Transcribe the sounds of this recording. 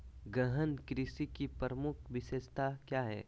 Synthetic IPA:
ɡəɦənkɾɪsikipəɾəmʊkʰʋɪʃeːst̪akjaːɦɛ̰ː

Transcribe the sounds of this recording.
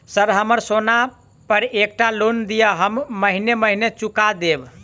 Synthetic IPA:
səɾɦəməɾsona | pəɾek̚ʈalond̪ijəɦəmːəɦineməɦinet͡ʃukad̪eb

